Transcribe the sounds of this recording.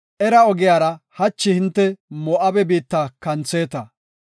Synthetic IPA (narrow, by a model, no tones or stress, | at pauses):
ʔɛɾɐɔɡɪjaːɾɐhɐt͡ʃːɪhɪnt̪ːɛmɔʔɐbɛbiːt̪ːɐkɐnt͡se̞ːt̪ɐ